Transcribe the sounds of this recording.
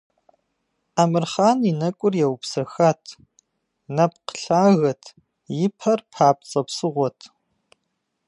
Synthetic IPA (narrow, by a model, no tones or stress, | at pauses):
aːmɨrχaːninɐkʷʼʊrjɛwpsɐxaːtʰ | nɐpqə̥ɬaːɣɐtʰ | jɪpʰɐrpʰaːp̚t͡sʼɐpsɨʁʷɔtʰ